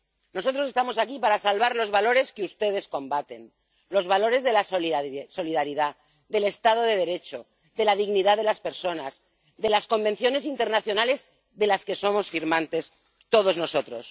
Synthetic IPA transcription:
no̞so̞t̪ɾosest̪amo̞sakipaɾasalβaɾlo̞zβalo̞ɾe̞skeust̪e̞ðe̞skõ̞mbat̪e̞n | lo̞zβalo̞ɾe̞zðe̞lasso̞liðaɾiða | ðe̞le̞st̪að̞o̞ðe̞ð̞e̞ɾe̞t͡ʃo̞ | ðelaðiɣniðaðe̞laspe̞ɾso̞naz | ðe̞lasko̞mbẽ̞nθjo̞ne̞s̬int̪e̞ɾnaθjo̞nale̞z | ðe̞laske̞so̞mo̞sfiɾmãnt̪e̞s | t̪o̞ð̞o̞zno̞so̞t̪ɾo̞s

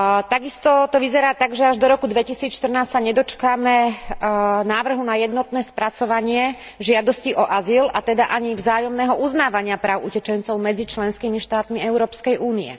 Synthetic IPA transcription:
t̪aɡist̪ɔt̪ɔʋizɛɾaːt̪aɡʒɛaʒd̪ɔɾɔkud̪ʋɛcisiːt͡sʃt̪r̩naːssaɲɛd̪ɔt͡ʃkamɛ | naːʋr̩ɦunajɛd̪nɔt̪nɛːspɾat͡sɔʋaɲɪɛ | ʒɪad̪ɔsciʔɔʔazilat̪ɛd̪aʔaɲivzaːjɔmnɛːɦɔʔuznaːʋaɲɪapɾaːʊʔucɛt͡ʃɛnt͡sɔʊmɛd͡zit͡ʃlɛnskiːmiʃt̪aːt̪miɛʊɾɔːpskɛjʔuːniɛ̰

